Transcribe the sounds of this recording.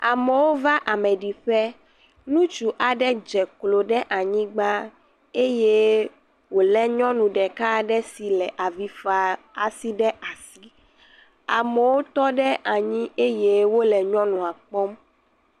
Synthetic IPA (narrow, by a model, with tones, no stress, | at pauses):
a˨mɛ˨wo˦va˦ʔa˨mɛ˨ɖi˨ɸɛ˦ | nũ˦t͡ʃu˨ʔa˨ɖɛ˦d͡ʒɛ˨klo˨ɖɛ˦ʔa˨ɲĩ˦ɡ͡ba˦ | e˦je˦ | wo˨lɛ˦ɲɔ̃˦nũ˨ɖɛ˨ka˦ɖɛ˦si˨lɛ˨ʔa˨vi˦fa˨a˨si˦ɖɛ˦ʔa˨si˦ | a˨mɛ˨wo˦t̪ɔ˦ɖɛ˦ʔa˨ɲĩ˦e˦je˦wo˦lɛ˨ɲɔ̃˦nũ˨a˨k͡pɔ˦m